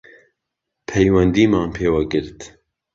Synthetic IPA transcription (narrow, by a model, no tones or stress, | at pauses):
pʰɛjwɛnd̪iːmɑːnpʰeːwaɡɨɾt̪